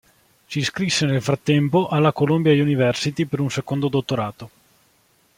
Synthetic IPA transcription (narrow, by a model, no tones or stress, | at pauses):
siskɾisːenelfɾat̪ːɛmpoʔalːakolombjajunivɛrsit̪ipeɾunsekond̪od̪ot̪ːoɾaːt̪o